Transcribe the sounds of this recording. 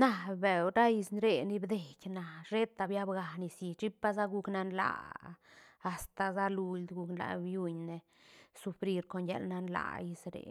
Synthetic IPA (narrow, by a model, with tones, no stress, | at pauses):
na˨be˨wɾa˦i˧snɾe˨ni˧bd̪e˨kʲna˨ɾe˦t̪a˨˧bja˦bɡa˨ni˧si˧t͡ʃi˦pa˦za˦ɡu˧kna˧nla̰˨ | st̪a˨za˦lu˧ld̪ɡu˧knla̰˨bju˧ɲne˧ | su˧fɾi˧ɾko˧nja̰˧lna˧nla̰˧˨i˧sɾḛ˨